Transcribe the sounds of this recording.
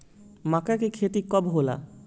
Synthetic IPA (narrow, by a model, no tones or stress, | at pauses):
makakekʰeʈikɔbɦola̰